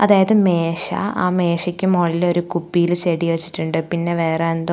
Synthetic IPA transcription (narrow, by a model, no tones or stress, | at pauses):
ɐðaːjɐðɨme̞ːɕɐ̰a̰ːme̞ːɕɐkʲːumoːɭilo̞ɾukupːijilt͡ɕeːɽijʋɐt͡ɕːi̥ʈːuɳɖɨpinːe̞ʋe̞ːreend̪o